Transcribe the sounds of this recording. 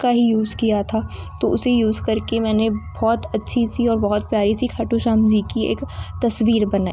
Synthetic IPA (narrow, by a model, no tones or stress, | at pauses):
kaɦijuːzkijat̪ʰat̪oʊsejuːzkɐɾkemɛ̃ːnebɔːt̪ɐtːʃʰisiɔːɾbɔɦɔt̪̚pjaːɾisikʰɐːʈuʃaːmd͡ʒikiḛːkt̪ɐsʋiːɾbɐnaːi